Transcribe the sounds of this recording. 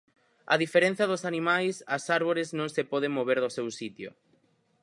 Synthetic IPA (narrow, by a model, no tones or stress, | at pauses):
ɐ̰ðifeɾẽn̟θjɐðosanimajsɐsaɾβoɾeznõŋsepɔð̞eŋmoβeɾðʊsewsit̪jo̰